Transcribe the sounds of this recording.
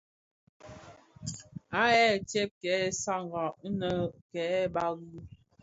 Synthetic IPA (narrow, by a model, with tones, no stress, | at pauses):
a˨˦ɛ˦˨tɛ˦p̚kɛ˨˦˨sa˦˨ŋɡɔ˨ʔnə˦kɛ˨˦ɓa˦ɣu˦